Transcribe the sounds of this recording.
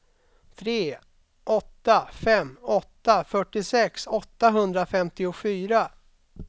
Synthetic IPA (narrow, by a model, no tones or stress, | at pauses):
t̪ʰɾeː | ʔɔt̪ːafɛmːɔt̪ːafœʈːɪsɛksɔt̪ːaɦɵnd̪ɾafɛmt̪ɪʊfyːɾa